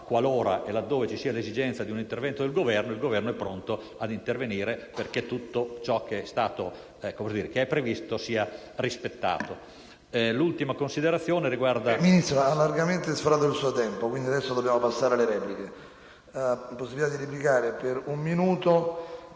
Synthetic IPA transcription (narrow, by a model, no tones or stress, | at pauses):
kːwaloːɾa̰ʔelad̪ːoːvet͡ʃisiːalezid͡ʒɛnt̪ad̪iunint̪ervɛnt̪od̪elɡovɛrnoilɡovɛrnoɛpːɾont̪o | ad̪int̪erveniːɾeperk̟et̪ːut̪ːot͡ʃɔkːeɛst̪aːt̪o | komsd̪iːɾekeɛpːɾevist̪osiːa | rispet̪ːa̰ːt̪o | lult̪imakonsid̪eɾat̪sːjoːneɾiɡward̪aminist̪ɾaalːarɡament̪esfɾaːt̪od̪elsuːot̪ɛmpokwind̪iad̪ɛsːod̪obːjaːmopasːaːɾeleɾɛːplike | pːosːibit̪ad̪iɾip̬likaːɾepeɾumːinuːt̪o